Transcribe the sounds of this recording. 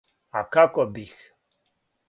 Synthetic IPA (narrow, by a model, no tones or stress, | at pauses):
a̰kʰakʼɔbix